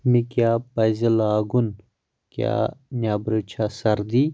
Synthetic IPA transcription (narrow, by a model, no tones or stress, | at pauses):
mikjaːpɐzilaːɡun | kja̰nʲaːbɾut͡ʃʰasɐɾd̪i